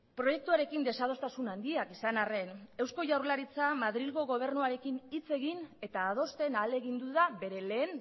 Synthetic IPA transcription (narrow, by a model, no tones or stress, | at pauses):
pɾo̞je̞k̚t̪uaɾe̞kind̪e̞sað̞o̞st̪asunand̪iakisanare̞ne̞wsko̞ʝawɾlaɾit͡samaðɾilɣo̞ɣo̞β̞e̞ɾnuaɾe̞kinit͡se̞ɣine̞t̪aːð̞o̞st̪e̞nale̞ɣind̪uðaβe̞ɾe̞le̞ːn